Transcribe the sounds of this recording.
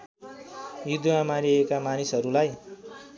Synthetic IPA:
jud̪uamaɾiekamanisɦʌɾulaj

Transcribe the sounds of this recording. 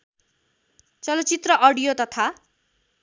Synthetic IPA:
t͡sʌlʌt͡sit̪rʌʔʌɽijot̪ʌt̪ʰa

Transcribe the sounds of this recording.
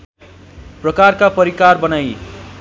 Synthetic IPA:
prʌkarkapʌɾikarbʌnaj

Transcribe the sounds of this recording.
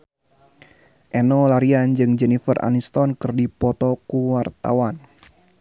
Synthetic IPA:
ʔɛnɔlaɾiand͡ʒɨŋd͡ʒɛnifərʔa̰nist̪ɔnkɨrdipɔt̪ɔkuwart̪a̰wan

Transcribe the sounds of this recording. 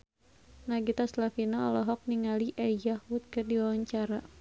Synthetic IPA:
naɡit̪aslafinaɔlɔɦɔk̚niŋaliʔɛjahwut̪̚kɨrdiwawaɲt͡ʃaɾa

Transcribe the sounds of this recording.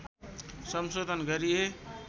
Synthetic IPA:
səmsod̪ʱənɡəɾiɦe

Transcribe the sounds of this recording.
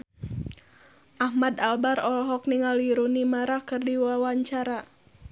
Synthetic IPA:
ʔahmad̪albaɾɔlɔɦɔk̚niŋaliɾunimaɾakɨrdiwawaɲt͡ʃaɾa

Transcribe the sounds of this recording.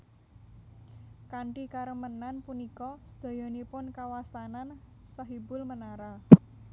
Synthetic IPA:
kaɳʈikaɾəmənanpunikɔsə̥d̪̥a̤jɔnipʊnkawast̪anan | sɔɦibʊlmənaɾa

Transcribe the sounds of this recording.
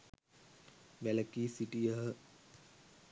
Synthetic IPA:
ʋæləkiːsiʈijəɦə

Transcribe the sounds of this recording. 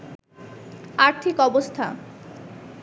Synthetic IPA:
aɾt̪ʰikɔbost̪ʰa̰

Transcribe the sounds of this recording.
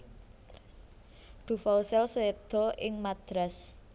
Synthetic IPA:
d̪̥ṳfausɛlsoed̪̥ɔ̤ʔɪŋmad̪̥ɾas

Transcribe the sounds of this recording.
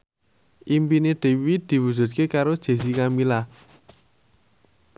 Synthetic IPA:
ʔimpineɖ̥e̤wid̪̥i̤wud̥ʒ̥ṳt̪̚kekaɾod̥ʒ̥e̤sikamila

